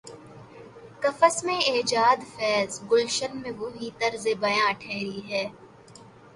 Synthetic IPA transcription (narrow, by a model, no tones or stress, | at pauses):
kɐfəsmẽeːd͡ʒaːd̪fɛːzɡʊlʃənmẽʋoɦit̪ɐɾzebɐjãːʈʰɛːɾiɦɛː